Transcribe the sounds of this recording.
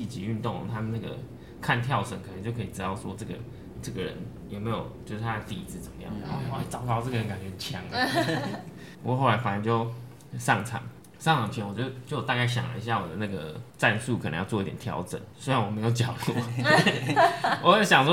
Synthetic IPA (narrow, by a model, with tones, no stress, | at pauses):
i˥˩t͡ɕḭ˧y˥˧nt̪o˥˩ŋə̰˨˩t̪ʰa˦˥mə˨na˥˩ɡə̰˨˩ | kʰa˥˧nt̪ʰjɑ˥˩ʊt͡sə˨˩nŋkʰə˨˩ə˧˦t͡ɕo˥˧ʊkʰɤ˧i˨˩t͡sɻ̩˦˥t̪ɑ˥˩ʊswɔ̰˥ʈ͡ʂɤ˥˩ɡə̰˩ | ʈ͡ʂɤ˥˩ɡə˨ɻə̰˧˦n | jɛ˨˩me˧˥ɪjo̰˨˩ʊt͡ɕjo˥˧ʊʂ̩˥˩t̪ʰa˥˧t̪i˥˧i˦˥t͡sʰɹ̩˥˩t͡sə˨˩mə˦jɑ̰˥˩ŋə˨˩˥t͡sɑ˨˩ʊkɑ˥ʊt͡sə˥˩ɡə˨ɻə˧˦nka˨nt͡ɕɥɛ˧˥˩t͡ɕʰjɑ˦˥ŋə˨ | pu˧˥kɔ˥˧xo˥˩la˧˥ɪfa˨˩ə˧nt͡ɕjo˥˧ʊ | sɑ˥˩ŋt͡sʰɑ̰˨˩ŋ | sɑ˥ŋt͡sʰɑ˨˩ŋt͡ɕʰɥɛ˧˥nwɔ˨t͡ɕɥɛ˧˥d̪ə˧t͡ɕjo˥ʊwt̪a˧ka˥˩ɪɕ̬jɑ̰˨˩ŋlə̰˧i˧ɕ̬ja˥˩wɔ̰˨d̪ə˦na˥˩ɡə̰˩t͡sa˥˧nsu˥˨˩kʰnə̰˧ŋjwɔ˥˧˥i˥t̪jɛ̰˨˩nt̪ʰjɑ̰˧˥ʊʈ͡ʂə̰˨˩˦nswe˥ɻa˧˦nwɔ˨˩me˧˥ɪjo˨˩ʊt͡ɕjɑ˨˩ʊtɔ˥˨˦ | wɔ˨˥ɕjɑ˨˩ŋswɔ˥